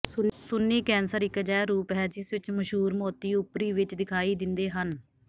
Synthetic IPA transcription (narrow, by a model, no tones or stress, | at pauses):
sʊnːiːkɛːnsəɾɪkd͡ʒɛːɾuːpɦɛːd͡ʒɪsʋɪt͡ʃməʃɦuːɾmɔːt̪iːʊpɾiːʋɪt͡ʃd̪ɪkʰaːiːd̪ɪnd̪eːɦən